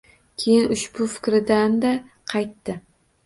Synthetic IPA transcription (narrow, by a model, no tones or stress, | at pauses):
kʲʰejɪnʊʃbʊfɪ̥kʲɾɪd̪and̪a | qʰɑjt̪ːɪ